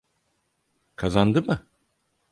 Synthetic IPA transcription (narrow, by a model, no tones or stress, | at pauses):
kʰazand̪ɯmɯ